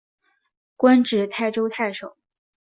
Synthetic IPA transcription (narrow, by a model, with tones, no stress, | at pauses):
kwa˥nʈ͡ʂɻ̩˨˩t̪ʰa˥˩ɪʈ͡ʂo˥ʊt̪ʰa˥˩ɪʂo˨˩˦